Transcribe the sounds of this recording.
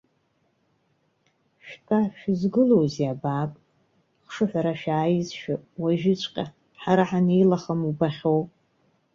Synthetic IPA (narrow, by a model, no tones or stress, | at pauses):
ʃᶣtʰʼaʃᶣzɡɨlowziabaːkʼ | χʂɨħʷaɾaʃᶣaːjɪzʃᶣawaʒɪt͡ʃʷʰʼqʲʼa | ħaɾaħanejlaχamubaχʲowpʼ